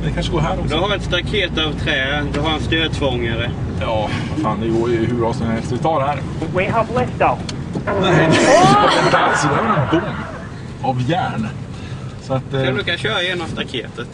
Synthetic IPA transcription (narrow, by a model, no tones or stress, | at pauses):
nd̪ɛkʰanʂəɡoːɦæːɖɔd̪ɔɦaɾɛt̪st̪akʰeːt̪avt̪ʰɾɛːd̪ɔɦaɾanst̪øːd̪̚t̪ʰfɔŋːaɾəjɑːafaːnd̪ɛjəɡoːɾjɦɵbɾɑːsɔmhɛlst̪t̪ʰɑːɾhæɾwɪɦavlɛsd̪anɛ | aɛnb̪ɛsɪd̪aɾnɔɡɔŋ | avjæːɳ | sɔat̪ːʰand̪ʉːkaɕœːɾajeːnamst̪akʰeːt̪ət̪